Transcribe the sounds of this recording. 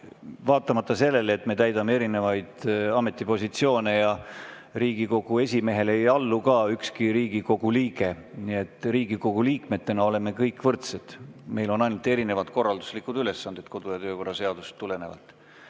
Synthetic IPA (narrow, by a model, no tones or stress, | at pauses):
vɑːt̪ːˑɑmɑt̪ːˑɑse̞lːe̞let̪ːme̞t̪æjd̪ɑmee̞ɾine̞vɑjd̪̥ɑme̞t̪ːˑipo̞sʲit̪sio̞ːne̞jɑ | riːɡ̥iko̞ɡ̥ue̞s̬ʲime̞ɦe̞lejɑlːukɑykskiɾiːɡ̥iko̞ɡ̥uliːɡ̥e̞ | nie̞t̪ːˑriːɡ̥iko̞ɡ̥uliːkmet̪ːe̞nɑo̞le̞me̞kɤjkːˑvɤrt̪sed̪̥me̞jlo̞nɑjnult̪ˑe̞ɾine̞vɑd̪̥̚ko̞rːɑld̪u̥slikːˑud̪̥yle̞sːɑnd̪̥id̪̥̚ko̞d̪̥ujɑt̪ø̞ːko̞rːɑse̞ɑd̪̥ust̪ːule̞ne̞vɑ̰lt̪ːˑ